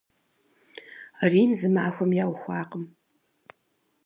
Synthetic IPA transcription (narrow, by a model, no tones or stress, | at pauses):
riːmzɨmaːxʷɐmjaːwxʷɑːqəm